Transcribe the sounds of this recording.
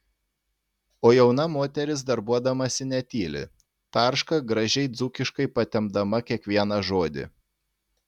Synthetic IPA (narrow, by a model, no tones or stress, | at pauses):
oːjɛʊnɐmoːt̪ʲɛɾʲɪs̬d̪ɐɾbuɔd̪ɐmɐsʲɪnʲɛt̪ʲiːlʲɪ̰ | t̪ɑˑɾʃkɐɡɾɐʒʲɛɪd̪zʊkʲɪʃkɐɪpɐt̪ʲɛmd̪ɐmɐkʲiɛkʋʲiɛnɐʒoːd̪ʲɪ̰